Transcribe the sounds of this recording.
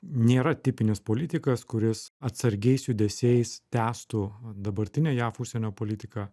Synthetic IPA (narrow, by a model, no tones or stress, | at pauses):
nʲeːɾɐt̪ʲɪpʲɪnʲeːspoːlʲɪt̪ʲɪkɐskʊɾʲɪsɐt̪sɐɾʲɡʲɛɪsjud̪ʲɛsʲeːjst̪ʲæːst̪uːd̪ɐbɐɾʲt̪ʲɪnʲeːjæːfʊʃʲsʲɛnʲoːpoːlʲɪt̪ʲɪkɑː